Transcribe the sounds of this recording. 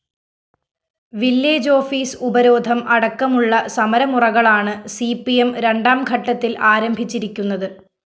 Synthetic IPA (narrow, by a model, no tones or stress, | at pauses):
ʋiljeːd͡ʑo̞ːfiːsubɐɾo̞ːd̪ʱɐmɐɽɐkːɐmuɭːɐsɐmɐɾɐmurɐɣɐɭaːɳɨsipijemɾe̞ɳɖaːmɡʱɐʈːɐt̪ːilʔaːɾɐmbʱit͡ɕːiɾikʲːunːɐðɨ